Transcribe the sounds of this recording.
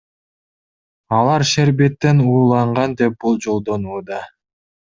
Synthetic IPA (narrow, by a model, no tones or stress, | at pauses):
ɑlˠɑɾʃeɾbet̪ːe̞nuːlˠɑɴʁɑnd̪e̞p̚bulˠd͡ʒo̞lˠd̪o̞nuːd̪ɑ